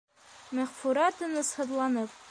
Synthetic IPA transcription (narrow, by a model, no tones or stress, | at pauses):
mæʁfuɾɑt̪ɤnɤshɤ̆ðlˠɑnɤp̚